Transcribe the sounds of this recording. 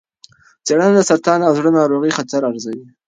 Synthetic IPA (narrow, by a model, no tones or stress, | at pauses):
t͡seɽand̪əsaɾt̪ɑnawzɽənɑɾoɣixat̪aɾaɾzawi